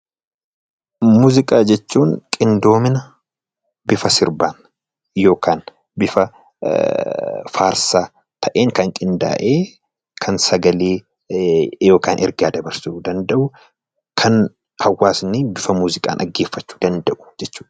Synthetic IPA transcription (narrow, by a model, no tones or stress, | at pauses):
muːzɪkʼaːd͡ʒɛt͡ʃːuːŋkʼɪnd̪o̞ːmɪnɐ | bɪfɐsɪɾbaːn | jo̞ːkʰaːn | bɪfɐ | faːɾsaː | t̪ʰɐʔeːŋkɐŋkʼɪnd̪a̰ːʔeː | kʰɐnsɐɡɐleː | jo̞ːkaːnʔɛ̰ɾɡaːd̪ɐbɐɾsuːd̪ɐnd̪ɐʔʊ | kʰɐn | hɐwːaːsnibɪfɐmuːzɪkʼa̰ːnʔɐ̰ɡːe̞ːfːɐt͡ʃːu̥ːd̪ɐnd̪ɐʔʊ̥d͡ʒɛt͡ʃːuːᶑ